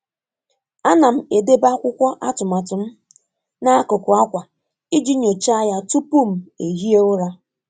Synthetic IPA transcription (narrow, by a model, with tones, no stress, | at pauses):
a˦na˨m̩˦e˨de˦ba˦kʷʊ˦kʷɔ˦ʔa˦tʊ˨ma˨tʊ˨m̩˦ | na˦a˦ko˨kʊ˨a˦kʷa˨ | i˦d͡ʒi˦ɲo˨t͡ʃa˦ja˦tu˦pu˦m̩˨e˨ɦi˦e˦ʊ˦ɾa˦